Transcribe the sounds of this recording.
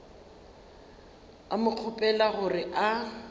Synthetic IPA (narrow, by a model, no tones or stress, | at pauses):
amʊq͡χʰʊpʼɛlaɣʊrɪʔa